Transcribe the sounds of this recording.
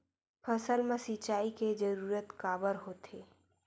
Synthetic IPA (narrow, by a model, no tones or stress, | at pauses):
pʰəsəlmẽsit͡ʃaːiked͡ʒəɾuːɾət̪kaːbəɾɦoːt̪ʰeː